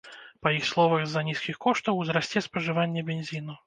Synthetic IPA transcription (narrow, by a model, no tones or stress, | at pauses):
pɐjixslˠɔvɐɣzɐnʲiskʲixkɔʂt̪ɐwzɾasʲt͡sʲɛspɐʐɨvanʲːɛbʲenʲzʲinu